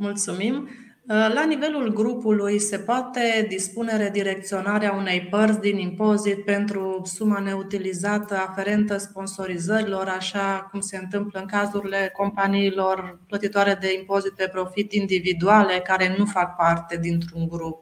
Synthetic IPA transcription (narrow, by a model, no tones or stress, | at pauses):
mult̪sumim | lanive̞lulɡɾupulujse̞poat̪e̞d̪ispune̞ɾed̪iɾe̞k̚t̪sio̞naɾeaune̞jpərt̪sd̪inimpo̞zit̪̚pe̞nt̪ɾusumane̞ut̪ilizat̪əafe̞ɾe̞nt̪əspo̞nso̞ɾizəɾilo̞ɾaʃakumse̞ɨnt̪ɨmpləɨŋkazuɾile̞ko̞mpaniːlo̞rplət̪it̪oaɾe̞d̪e̞impo̞zit̪̚pe̞pɾo̞fit̪ind̪ivid̪uale̞kaɾe̞nufak̚part̪e̞d̪int̪ɾuŋɡɾup̚